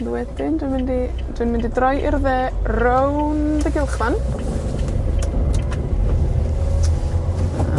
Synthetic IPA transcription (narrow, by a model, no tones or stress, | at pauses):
ðwɛdɪndwɪmɪndi | d̥wɪnmɪndidrɔjʔɪrðɛːrowndəɡɪlˠχwan